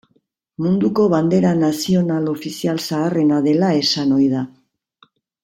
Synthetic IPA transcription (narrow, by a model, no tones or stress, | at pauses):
mund̪uko̞βand̪e̞ɾanasio̞nalo̞fisialsaːre̞naðe̞lae̞sano̞jða